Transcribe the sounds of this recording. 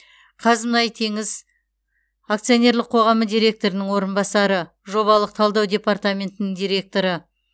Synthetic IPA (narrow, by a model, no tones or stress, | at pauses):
qʰɑzmnɑjt̪ʰe̞ŋɪz | akt̪sijo̞nʲe̞ɾlˠɪqʰo̞ʁɑməd̪ʲijɾʲe̞k̚t̪o̞ɾɪnəŋwo̞ɾənbɑsɑɾə | ʒo̞βɑlˠəq̚t̪ʰɑlˠd̪ɑwd̪ʲe̞part̪amʲe̞nt̪ɪnɪŋd̪ijɾʲe̞k̚t̪o̞ɾə